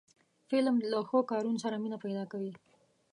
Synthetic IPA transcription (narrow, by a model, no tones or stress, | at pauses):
fɪlmlaxokɑɾunosaɾaminapajd̪ɑkawi